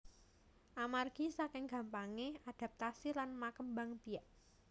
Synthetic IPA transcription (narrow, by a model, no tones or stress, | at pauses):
ʔamarɡ̥isakɪŋɡ̥ä̤mpaŋead̥a̤p̚t̪asilanmakəmbaŋb̥ijaʔ